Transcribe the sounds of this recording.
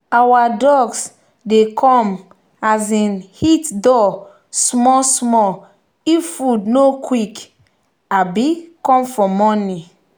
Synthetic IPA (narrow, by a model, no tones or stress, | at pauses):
awadɔɡs | dekʰɔ̃m | azĩnhitdɔ | smɔsmɔ | iffudnokwik | abikɔ̃mfɔmɔni